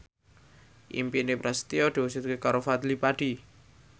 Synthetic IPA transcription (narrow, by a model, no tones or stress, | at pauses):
ʔḭmpinepɾɛst̪iɔɖ̥eset̪kekaɾofad̪lipaɖ̥i